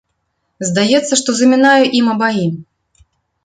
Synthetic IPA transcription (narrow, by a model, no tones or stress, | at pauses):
zd̪ajɛt̪sːɐʂt̪ɔzɐmʲinajuʔimɐbaji